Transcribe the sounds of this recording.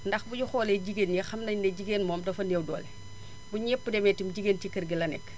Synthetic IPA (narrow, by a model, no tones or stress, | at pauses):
ndɐxbuɟuxɔːlɛɟiɡeːnjɛxɐmnɐɲnɐɟiɡenmɔːmdɐfɐnewdɔ̰ːlɛ | buɲɛpːudɛmɛtimɟiɡentikɐrɡilɐnɛ̰k